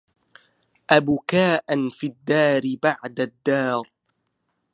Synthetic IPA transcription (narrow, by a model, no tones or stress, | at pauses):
ʔabʊkaːʔanfid̪ːaːɾɪbaʕd̪ad̪ːɑːɾˤ